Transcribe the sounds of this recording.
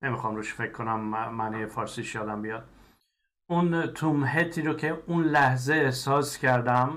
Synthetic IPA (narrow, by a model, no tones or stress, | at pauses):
ne̞mixɒmɾuʃfe̞cʰkʰːonæmːænijefɒːɾsiːʃjɒːd̪æmbijɒd̪ | unt̪ʰumɦet̪ʰiːɾocʰe̞unlæhzeesɒːscʰæɾd̪æm